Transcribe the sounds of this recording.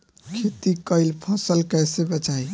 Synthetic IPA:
kʰet̪ikəɪlpʰəsəlkəjsebət͡ʃaj

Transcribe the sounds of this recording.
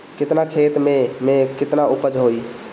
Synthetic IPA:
kɪt̪nakʰet̪mẽmẽkɪt̪naʊpəd͡ʒɦoi

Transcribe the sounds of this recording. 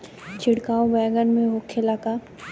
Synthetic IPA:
t͡ʃʰɪɽkaːõbɛːɡənmẽɦokʰːelaka

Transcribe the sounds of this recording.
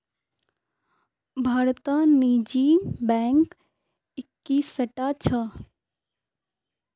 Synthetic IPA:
bʱaːɾt̪aniːd͡ʒibɛːŋk | ɪkːisəʈat͡ʃʰə

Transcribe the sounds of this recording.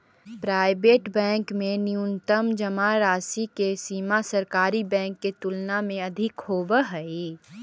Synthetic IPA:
pɾaːɪbeːʈbɛ̃ːŋkmẽnjunt̪əmd͡ʒɐmaɾaːsikesiːmasəɾkaːɾibɛ̃ːŋkːet̪ʊlnamẽɐd̪ʱɪkhoːbəɦəe

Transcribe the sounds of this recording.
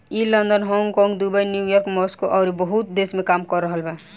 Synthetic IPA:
ilənd̪ənɦɔŋɡkɔŋɡd̪ubəjnjujɔɾkmɔskoʔɔɾibəɦut̪̚d̪eːsmẽkaːmkɔɾːəɦəlbɛ

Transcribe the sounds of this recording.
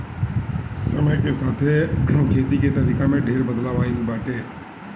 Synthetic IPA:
səməjkesat̪ʰekʰet̪iket̪əɾikamẽɖʱeɾbəd̪laʋainibaʈe

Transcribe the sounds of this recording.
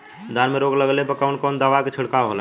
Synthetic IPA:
d̪ʱanmeɾoːɡləɡlebəkaʊnkɔːnd̪aːʋaket͡ʃʰʊɽkaɦola

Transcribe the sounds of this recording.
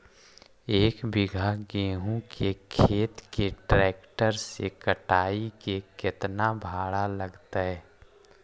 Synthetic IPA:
eːkbɪɡʱaɡeːɦũkekʰeːt̪keʈɾɛːkʈəɾsekəʈaːikekɪt̪nabʱaːɽaləɡt̪aɦɛː

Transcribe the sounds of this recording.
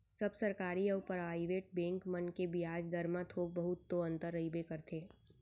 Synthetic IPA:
sɐbsɐɾkaːɾiəʊpəɾaːiʋeːʈ̚bɛ̃ːŋkmənkebʱiaːd͡ʒd̪ɐɾmãt̪ʰoːɡ̚bɐɦʊt̪̚ːoə̃nt̪əɾːəibekɐɾt̪ʰeː

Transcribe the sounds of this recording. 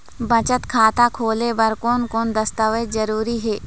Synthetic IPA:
bɐt͡ʃət̪kʰaːt̪akʰoːlebɐɾkoːnkoːnd̪ɐst̪əʋezɐɾuːɾiɦɛː

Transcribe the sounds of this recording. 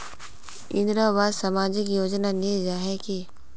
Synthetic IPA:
ɪ̰̃nd̪ɾabaːd̪sɐmaːd͡ʒɪkjoːd͡ʒnaned͡ʒaɦɛki

